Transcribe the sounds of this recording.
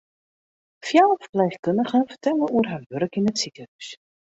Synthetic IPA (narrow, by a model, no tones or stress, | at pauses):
fjalfblɛjχkɵndəɣənfərtɛlˠəuərɦaːrʋøɾəkɪnətsikəɦœɥs